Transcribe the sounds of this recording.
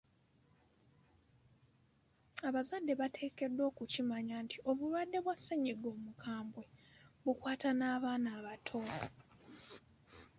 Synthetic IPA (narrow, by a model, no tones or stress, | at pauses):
aβazadːe̞βatʰe̞ːke̞dːwo̞ːkucimaɲaːntʰiʔo̞βulwadːe̞βwasːeɲiɡo̞ːmukʰaːmbwe̞βukwaːtanaːβaːnaːβatʰo̞